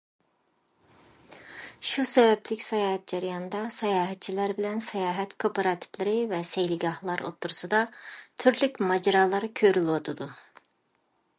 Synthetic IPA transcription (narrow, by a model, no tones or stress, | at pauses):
ʃusɛbɛplʲikʲsɑjɑːɦɛt̪̚d͡ʒɑɾjɑnd̪ɑsɑjaːɦɛt̪̚t͡ʃʰilæɾbilʲɛnsɛjɑːɦɛt̪kʰopʰoɾɑt̪ʰi̥flɪɾɪvɛsɛjlʲiɡɑhlˠɑɾo̰t̪ʰːuɾusɯd̪ɑt̪ʰyɾlykʲmɑd͡ʒɑɾɑːlˠɑɾɯkʲʰøɾylˠot̪ʰud̪ʊ